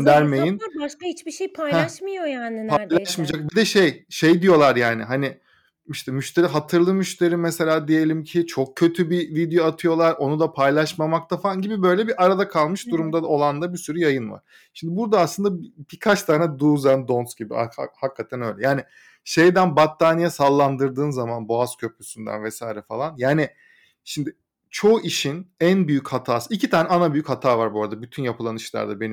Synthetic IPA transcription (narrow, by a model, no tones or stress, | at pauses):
nd̪æɾmejjinʃkahit͡ʃbiʃejpʰajhɛaʃmɯjojaːnɪpalˠaʃmid͡ʒak̚bid̪ɛʃejʃejd̪ijo̞lˠaɾjaːnɪ̰ɦanɪ | iʃt̪ʰɛmyʃt̪ʰe̞ɾiɦat̪ʰɯɾlˠɯmyʃt̪ʰe̞ɾimɛse̞lʲaːd̪ije̞lʲimcʰɪt͡ʃʰo̞k̚cʰːø̞t̪ʰybivid̪ejoat̪ʰɯjo̞lˠaɾo̞nud̪apʰajlˠaʃmamak̚t̪ʰafnɟibibø̞jlʲɛbiʔaɾad̪akʰalˠmɯʃd̪uɾumd̪ao̞lˠand̪abisyɾyjajɯnva̰ɾ̥ | ʃimd̪ibuɾd̪aːslˠɯnd̪abikʰat͡ʃt̪ʰaːnɛd̪uːzænd̪o̞nsɟibia̰hakːat̪ʰænø̞jlʲɛjaːnɪ | ʃe̞jd̪ænbat̪ʰːaːnijasalˠːand̪ɯɾd̪ɯːnzamanbo̞az̥cʰø̞pʰysynd̪æ̰nvɛsajiɾɛfalˠanjaːnɪ | ʃimd̪ɪ | t͡ʃʰo̞ʔiʃinænbyjychat̪ʰaːsɯicʰit̪ʰaːnɛanabyjychat̪ʰaːvaɾbuɾad̪abyt̪ʰynjapʰɯlˠanɯʃlˠa̰ɾd̪abe̞nim